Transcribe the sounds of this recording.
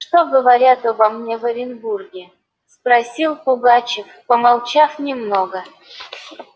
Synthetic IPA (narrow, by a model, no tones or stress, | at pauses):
ʂt̪oɡəvɐɾʲat̪ovɐmnʲevəɾʲɪnburɡʲɪ | spɾɐsʲilˠpʊɡat͡ɕɪfpəmɐlˠt͡ɕafnʲɪmnoɡə